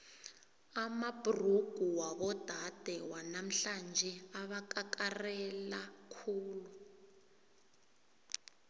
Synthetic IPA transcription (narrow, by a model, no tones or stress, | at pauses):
amab̥ʱuruɡ̥ʱuwaβɔd̥ʱad̥ʱɛwanam̩ɬand͡ʒʱɛaβakakarɛlakʰuːlu